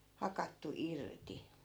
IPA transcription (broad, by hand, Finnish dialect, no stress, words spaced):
hɑkɑtːu irti